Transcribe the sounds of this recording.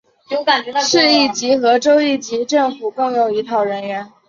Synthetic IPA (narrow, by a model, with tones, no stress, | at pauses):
o˧˥ka˨˩nt͡ɕʂɻ̩˥˧i˥˩t͡ɕi˧˥xɤ˧˥ʈ͡ʂo˥ʊi˥˩t͡ɕi˧˥ʈ͡ʂɤ˥˩ŋfu˨˩kɤ˥˩ŋjo˨˩ʊi˧˥t̪ʰɑ˥˩ʊɻə˧˥nɥɛ˧˥n